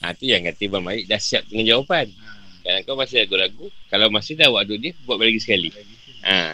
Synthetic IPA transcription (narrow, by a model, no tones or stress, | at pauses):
ʔa̰t̪ujaŋkat̪ibamaɪʔdahsiap̚kəŋand͡ʒawapankadaŋkawmasɪlaɡulaɡukalawmasɪhdawaʔd̪udiəbuaʔlaɡisə̥kali | ʔa̰